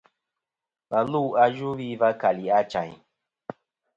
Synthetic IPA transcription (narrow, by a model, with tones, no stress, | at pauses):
ma˨lu˦˨a˧ʒu˦ɾi˦va˦ka˨li˨a˦t͡ʃa̰˨